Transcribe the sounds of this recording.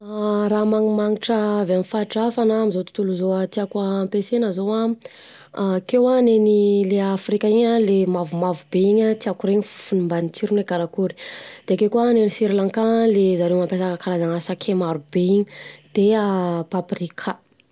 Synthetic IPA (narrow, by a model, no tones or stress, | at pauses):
ɾamaŋimaŋiʈ͡ʂəveamfaʈ͡ʂafanaːmizot̪u̥t̪uluzoat̪iakaːmpesenəzowa | kewanenileafrikaiɲalemavumavubeiɲat̪iakuɾeɲifu̥funumbanit͡siɾuneɡaɾakuɾi̥d̪̥eakekuanenisiɾlaŋkalezaɾemampesakəkaɾazanasakʰemaɾub̥eiɲid̪̥eapaprikʰa